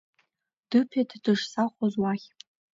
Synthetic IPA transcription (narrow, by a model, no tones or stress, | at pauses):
d̥ɨpʰedʰdɨʂsaχʷozwaχʲ